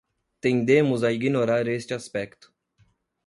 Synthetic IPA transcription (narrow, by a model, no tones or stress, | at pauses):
t̪ẽnd̪ẽmʊzaiɡinoɾaɾest͡ʃɪaspɛkt̪ʊ̥